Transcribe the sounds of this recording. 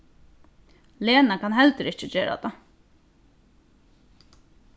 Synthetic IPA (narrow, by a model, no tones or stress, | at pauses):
leːnakʰanɦɛlt̪ɪɾɪt͡ʃət͡ɕeːɾa̰t̪a